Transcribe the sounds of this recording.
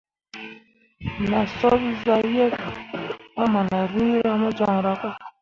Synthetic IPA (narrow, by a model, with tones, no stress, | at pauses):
na˨sɔ˦βi˦za˦jɛ˦ka˨a˦ma˨na˨ɾi˦ɾa˦mɔ˦d͡ʒɔ˦ŋ˨ɾa˨kɔ˦˨